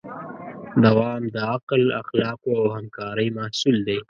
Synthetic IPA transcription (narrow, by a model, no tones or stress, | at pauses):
d̪awɑːmd̪əaqla̰xlɑːqoawhamkɑːɾəjmahsuld̪e